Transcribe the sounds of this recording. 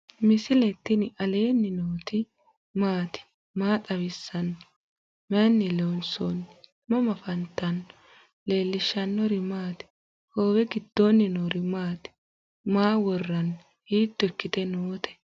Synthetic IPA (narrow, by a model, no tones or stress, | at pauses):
mɪsɪlɛt̪ːɪnʔɐle̞ːnːɪnoːt̪ɪ | maːt̪ɪ̥ | maːt̪ʼɐβɪsːɐn | mɛnːɪlonson | mɐmɐfɐnt̪ːɐn | le̞ːlːɪʃːɐnːɔɾɪmaːt̪ɪ̥ | ho̞ːwɛɡɪd̪ːonːɪnoɾɪmaːt̪ | maːwɔrːɐn | hiːt̪ːɔɛkːɪt̪ɛnoːt̪ɛ̥